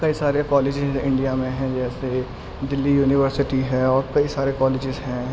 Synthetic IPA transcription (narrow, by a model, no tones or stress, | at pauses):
kɐisaːɾekɔːlɪːd͡ʒɪzɪ̃ɳɖijamẽɦɛ̃d͡ʒɛːse | d̪ɪlːijuːnɪʋəɾsɪʈiɦɛːɔːɾkɐisaːɾekɔːlɪːd͡ʒɪzɦɛ̃